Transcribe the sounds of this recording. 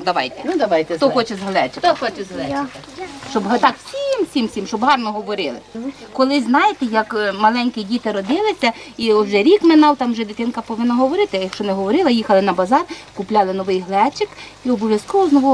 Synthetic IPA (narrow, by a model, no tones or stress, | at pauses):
d̪ɐʋɑ̰jt̪ɛnd̪ɐʋɑjt̪ɛt̪ɔxɔt͡ʃɛzɦlˠɛt͡ʃɪɔxɔt͡ʃɛzɦlˠɛ | ʃt͡ʃɔbɦt̪ɑksʲimsʲimsʲimʃt͡ʃɔbɦɑrnɔɦɔʋɔɾɪlˠɪ̰kɔlˠɪznɑjɪt̪ɛjɐkmɐlˠɛnʲkɪdʲit̪ɪɾɔd̪ɪlˠɪsʲɐiɔʒɛɾʲikmɪnɑwt̪ɑmʒɛd̪ɪt̪ɪnkɐpɔʋɪnːɐɦɔʋɔɾɪt̪ɪjɐkʃt͡ʃɔnɛɦɔʋɔɾɪlˠɐjixɐlˠɪnɐbɐzɑrkʊplʲɑlˠɪnɔʋɪjɦlˠɛt͡ʃɪkiɔbɔʋjɐskɔʋɔznɔʋɔ